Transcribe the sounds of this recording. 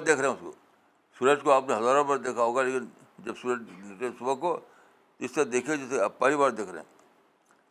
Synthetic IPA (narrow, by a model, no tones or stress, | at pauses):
d̪eːkʰɾeɦɛ̃ʊsko̰ | suːɾəd͡ʒkoaːpneɦɐzaːɾõpɐɾd̪eːkʰaɦoːɡaleːkɪn | d͡ʒɐbsuɾəd͡ʒsʊbəko | tɪst̪əɾad̪eːkʰed͡ʒɪseapaːlibaːɾd̪eːkʰɾḛɦɛ̰̃ː